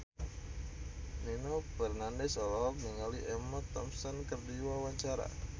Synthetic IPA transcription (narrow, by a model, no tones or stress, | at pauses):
ninofɛrnandɛsɔlɔk̚ŋiŋaliʔɛmat̪ɔmsɔnkərdiwawaɲt͡ʃaɾa̰